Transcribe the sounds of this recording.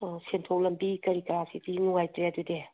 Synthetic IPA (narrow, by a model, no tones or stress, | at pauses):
sentʰowlɐmbikɐɾikaɾasidinuŋajtɾeɐdude